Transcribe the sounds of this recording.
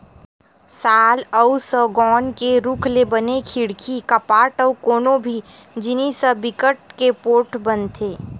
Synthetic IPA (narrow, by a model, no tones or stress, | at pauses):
saːləusəɡɔːnkeɾukʰlebənekʰiɽkʰikɐpaːʈəukoːnobʱi | d͡ʒɪnisəbɪkəʈ̚kepoːʈʰbənt̪ʰeː